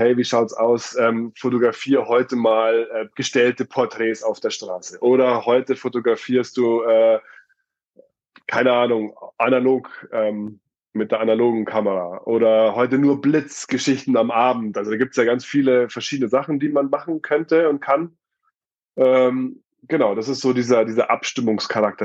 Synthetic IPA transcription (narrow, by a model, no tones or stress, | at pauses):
hɛɪviːʃaʊtsa̰ʊsʔɛːmfotoɡʁafiːʁəhɔʏtəmaːlʔɛːɡ̥əʃtɛltəpʰɔɐtʁ̥ɛːsaʊfd̥eːɐʃtʁ̥aːsəʔoːɾɐhɔʏtəfotoɡʁafiːɐst̚d̥uːʔɛː | kʰaɪnəʔaːnʊŋʔanaloːkʔɛːm | mɪt̚d̥eːɐʔanaloːɡŋ̩kʰaməʁaːʔoːɾɐhɔʏtənuːɐblɪt͡sɡ̥əʃɪçtn̩amʔaːbm̩tʔalzodaːɡiːptsjaːɡant͡sfiːləfɛɐʃiːdənəzaχn̩diːmanmaχn̩kʰœntəʊnt̚kʰan | ʔɛːm | ɡ̥ənaʊdasɪstz̥oːdiːzɐdiːzɐʔapʃtɪmʊŋskʰaʁak̚tɐ